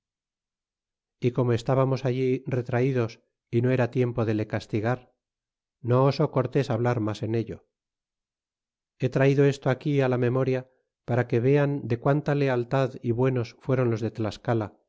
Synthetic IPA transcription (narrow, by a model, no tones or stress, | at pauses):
iko̞moe̞st̪aβamo̞saʎire̞t̪ɾaiðo̞s | ino̞e̞ɾat̪je̞mpo̞ðe̞le̞kast̪iɣaɾ | no̞ːso̞ko̞ɾt̪e̞saβlaɾmase̞ne̞ʎo̞ | e̞t̪ɾaiðo̞e̞st̪oakialame̞mo̞ɾja | paɾake̞βe̞and̪e̞kwant̪ale̞alt̪aðiβwe̞no̞sfwe̞ɾo̞nlo̞zðe̞t̪laskala